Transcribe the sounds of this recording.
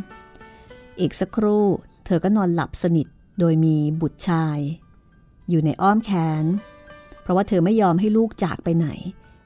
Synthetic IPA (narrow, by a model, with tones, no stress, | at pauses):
ʔeː˨˩k̚sa˧˦˥kʰɾuː˥˩t̪ʰɤː˧kɔː˥˩nɔː˧nla̰˨˩p̚sa˧ni˨˩t̪̚ | doː˧jmiː˧bu˨˩t̪̚t͡ɕʰaː˧j | juː˨˩na˧jʔɔː˥˩mkʰɛː˦˥npʰɾɔ˦waː˥˩t̪ʰɤː˧ma˥˩jːɔː˧mɦa˥˩jluː˥˩k̚t͡ɕa̰ː˨˩k̚pa˧jna̰˩˦j